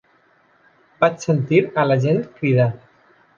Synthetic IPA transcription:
bat͡ʃsənt̪iɾalad͡ʒent̪kɾiða

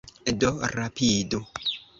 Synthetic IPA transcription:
doɾapido

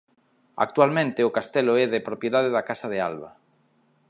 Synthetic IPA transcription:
a̰k̚t̪ualmẽnt̪ɪʊkast̪ɛlʊɛðepɾopjeðað̞eðakasɐðea̰lβɐ̰

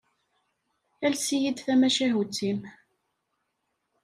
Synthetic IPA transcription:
ælsijid̪θæmæʃæɦut͡sːim

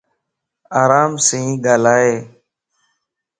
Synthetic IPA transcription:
aːɾaːmsĩːɡaːlaːɦeː

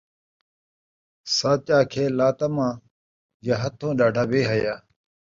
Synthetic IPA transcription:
saːt͡ɕaːkʰeːlaːt̪əmãː | jaɦət̪ʰõːɗaːɖʱaːbeːɦəjaː

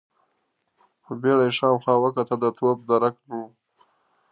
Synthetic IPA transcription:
xəbeɽaʂɑːmxɑːwəkat̪ad̪ət̪ʰob̚d̪aɾaknu

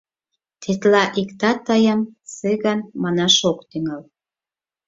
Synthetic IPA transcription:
t̪ʰet̪lɑʔikt̪ɑt̪ɑjɑmseɣɑnmɑnɑʃokt̪yŋɑl

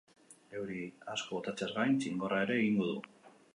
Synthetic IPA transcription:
ewɾiasko̞ot̪at͡sezɣajnt͡siŋɡo̞rae̞ɾe̞ːɣiŋɡo̞ðu

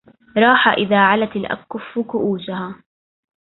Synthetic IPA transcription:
ɾˤɑːħaʔɪðaːʕalat̪ɪlʔa̰kːʊfːʊkʊʔuːd͡ʒaɦaː

